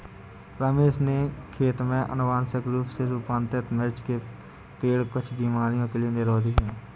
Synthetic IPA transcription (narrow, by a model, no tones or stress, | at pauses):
ɾəmeːʃnekʰeːt̪mẽʔə̰nʊʋaːnsɪkɾuːpseɾuːpãːnt̪ɪt̪mɪɾt͡ʃke | peːɽkət͡ʃʰbiːmaːɾijõkelienɪɾɔːd̪iɦɛ̃ː